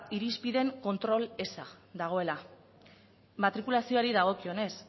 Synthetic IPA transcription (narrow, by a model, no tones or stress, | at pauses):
iɾispiðe̞ŋko̞nt̪ɾo̞le̞saðaɣ̞o̞e̞la | mat̪ɾikulasio̞aɾiðaɣ̞o̞kio̞ne̞s